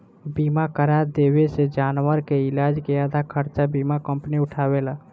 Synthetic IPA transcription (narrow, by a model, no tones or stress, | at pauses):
bimakəɾad̪ebesed͡ʒaːnwəɾkeɪlad͡ʒkead̪ʱakʰəɾt͡ʃabimakəmpniʊʈʰabela